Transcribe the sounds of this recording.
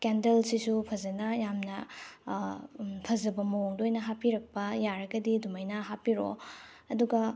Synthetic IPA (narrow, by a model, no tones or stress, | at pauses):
kendelsisupʰɐzɐnɐjamnɐ | pʰɐzɐbɐmɐwoŋdojnɐɦapiɾɐk̚pɐjaɾɐɡɐdidumɐjnɐɦapiɾo̰ | ɐduɡɐ